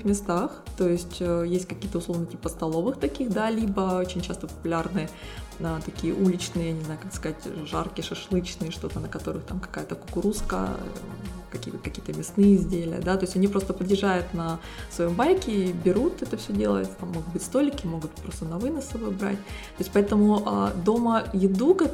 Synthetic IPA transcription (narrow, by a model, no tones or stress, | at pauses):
xmʲɪst̪axt̪o̞jɪsʲtʲəjesʲtʲkɐkʲijət̪əʊslˠo̞vnətʲipət̪st̪ɐlˠo̞vɨxt̪ɐkʲixd̪alʲibəot͡ɕɪnʲt͡ɕast̪əpə̥pʊlʲarnɨjəət̪ɐkʲijəʔulʲɪt͡ɕnɨjənʲɪznajʊkakskɐzatʲʐarkʲɪjəʂɐʂlˠɨt͡ɕnɨjəʂt̪o̞t̪ənəkɐt̪o̞ɾɨxt̪amkɐ̥kajət̪əkʊ̥kʊɾuskə̰ | kɐkʲḭːət̪kɐkʲijət̪əmʲɪsnɨjəzʲdʲelʲɪ̰jə̰d̪at̪oɪsʲɐnʲipɾo̞st̪əpəd̪jʲɪʐajʊt̪nə | svɐjo̞mbajʲkʲɪbʲɪɾut̪ɛt̪əfsʲɵdʲe̞lˠə̰jɪt̪t̪amːo̞ɡʊt̪̚bɨtʲst̪o̞lʲɪkʲɪmo̞ɡʊt̪̚pɾo̞st̪ənɐvɨnəsɐbo̞jbɾa̰tʲt̪oɪsʲtʲpɐɛt̪əmʊʔa̰d̪o̞məjɪd̪ukɐ